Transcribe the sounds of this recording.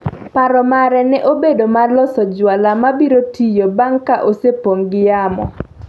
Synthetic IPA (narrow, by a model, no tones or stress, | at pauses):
paɾɔmaɾɛnɛʔobedomarlɔsɔd͡ʒwalamabiɾotʰijobaŋkaʔosepoŋɡɪjamɔ̰